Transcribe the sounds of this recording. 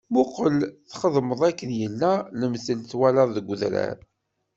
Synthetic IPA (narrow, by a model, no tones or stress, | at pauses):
mʊqəlθχəðˤməðˤækːənjəlːæləmθəlθwæləɾˤðəɡʷːʊðɾæ̰ɾ